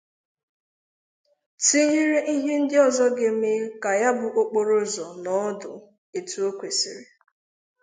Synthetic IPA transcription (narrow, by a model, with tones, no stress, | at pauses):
ti˦ɲi˦ɾe˦ʔi˦ɦe˦n̩˦dɪ˦ɔ˨zɔ˦ɡe˨˦m̩e˦ka˨ja˦bʊ˨ʔo˦k͡po˨ɾo˦zɔ˨nɔ˦dʊ˨ | e˨tu˨o˦kʷe˨si˨ɾe˨